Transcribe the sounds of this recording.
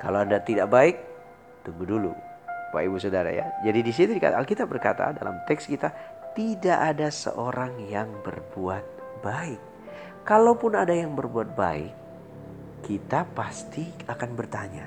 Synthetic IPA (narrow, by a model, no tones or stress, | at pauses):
kaloandat̪idaʔbaɪk̚ | t̪uŋɡudulṵpa̰ibusodaɾa̰ja̰d͡ʒadidis̬it̪udika̰t̪aalkit̪ap̚bərkat̪a̰dalʔa̰mt̪ɛkskit̪at̪idaʔːdasə̰ʔoɾaŋjaŋbə̰rbuat̪̚ | baɪk̚ː | alawpʊnadajaŋbərbuat̪̚ba̰ɪ̰kː | it̪apast̪iakanbərt̪aɲa̰